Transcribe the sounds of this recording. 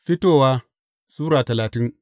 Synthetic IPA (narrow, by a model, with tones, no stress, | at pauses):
fi˦toː˦˨wa˦ | suː˦ɾa˨tɐ˨laː˨ti˦n